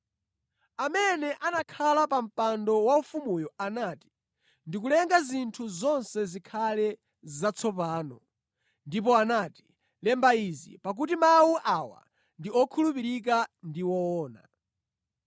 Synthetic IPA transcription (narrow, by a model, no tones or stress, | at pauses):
amɛnɛʔanakʰalapam̩pandɔwaufumujɔanaːti̥ | ndik̬ulɛŋɡazintʰuzɔnsɛzikʰalɛ | zat͡sʰɔpaːnɔ | ndip̬ɔanaːti̥ | lɛmbaizḭpak̬utimawuʔawa̰ | ndiɔkʰulupiɾik̬andiwɔɔːna̰